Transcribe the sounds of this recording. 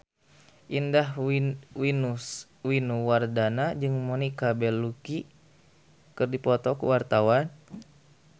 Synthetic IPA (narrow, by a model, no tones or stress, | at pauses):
ʔindaɦwinus | winuwardanad͡ʒɨŋmonikabɛlːuki | kɨrdipɔt̪ɔkṵwart̪awan